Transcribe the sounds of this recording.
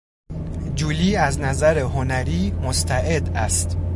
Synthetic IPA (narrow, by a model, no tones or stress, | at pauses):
d͡ʒuliːæznæzæɾeɦonæɾiːmost̪ʰæʔed̪æst̪